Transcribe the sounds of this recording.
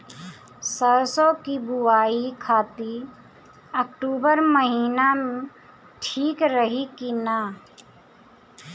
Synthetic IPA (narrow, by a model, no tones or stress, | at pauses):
səsɔkibʊaːikʰaːt̪i | əkʈuːbəɾməɦiːnamẽ | ʈʰiːkɾəɦikinaː